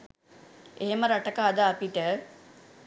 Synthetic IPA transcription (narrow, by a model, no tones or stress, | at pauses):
eɦeməɾaʈəkaːd̪aːpiʈə